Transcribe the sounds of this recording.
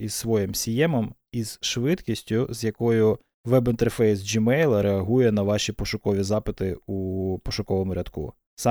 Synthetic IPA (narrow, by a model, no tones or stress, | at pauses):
izsʋɔjɪmsʲijɛmɔm | iz̥ʃʋɪt̪kʲisʲtʲʊzʲjɐkɔjʊ | ʋɛbɪnt̪erfɛjsd͡ʒimɛjlˠɐɾeɐɦujɛnɐʋɑʃʲipɔʃʊkɔʋʲizɑpɪt̪ɪupɔʃʊkɔʋɔmʊɾʲɐd̪kṵ | sɑ